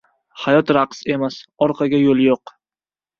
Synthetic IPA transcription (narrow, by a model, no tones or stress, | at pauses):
hajɒt̪ɾaqse̞masɒɾqʰɑɡʲajolˠjoq